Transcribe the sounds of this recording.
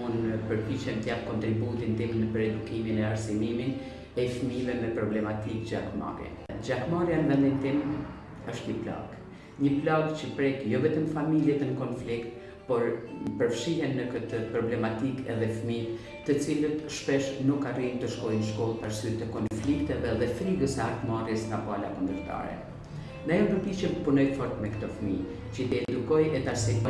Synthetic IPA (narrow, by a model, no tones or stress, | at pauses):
unpəɾpit͡ɕɛnt̪əjap̚kɔnt̪ɾibut̪int̪imnəpəɾɛd̪ukiminɛaɾsimimin | ɛfmivɛmɛpɾɔblɛmat̪ikd͡ʑakma̰ɾjɛ̰ | d͡ʑakmaɾjanvɛnd̪int̪im | əʃt̪ɲəpla̰ɡ | ɲəplaɡt͡ɕəpɾɛkjɔvɛt̪əmfamiljɛt̪ənəkɔnflikt̪ | pɔɾpəɾfʃiɦɛnːəkət̪əpɾɔblɛmat̪ikɛ̰ðɛfmi | t̪ət͡silət̪ʃpɛʃnukːarint̪əʃkɔjnəʃkɔlˠpaɾsyət̪ːəkɔnflikt̪ɛðɛðɛfɾiɡəsɛaɾt̪marjɛsŋɡapɔala̰kund̪əɾt̪a̰ɾɛ̰ | nd̪ajɔmb̪əpit͡ʃɛpunɔjfɔɾt̪mɛkt̪ɔfmi | t͡ɕət̪ɛɛd̪ukɔjɛt̪aɾsi